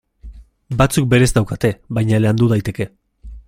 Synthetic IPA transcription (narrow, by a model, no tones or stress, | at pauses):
bat͡suk̚be̞ɾe̞zd̪awkat̪e̞βajɲaleand̪uð̞ajt̪e̞ke̞